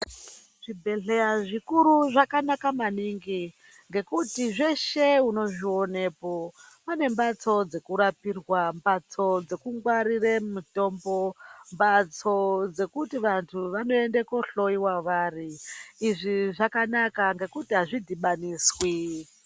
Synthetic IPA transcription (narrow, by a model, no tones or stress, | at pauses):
ʐ̥ibʱe̞ɮe̞jaʐikuɾuʐakanakamaniŋɡi | ŋɡe̞kutiʐe̞ʃe̞uno̞ʐio̞ne̞ːpo̞pane̞mbat͡so̞d͡ze̞kuɾapirwambat͡so̞d͡ze̞kuŋɡwaɾiremuto̞mbo̞mbat͡sod͡ze̞kutiʋantʰuʋano̞e̞ndekoɬo̞iwaʋaːriːʐiʐakanakaŋɡe̞kutiɦaʐidʱiɓaniːswi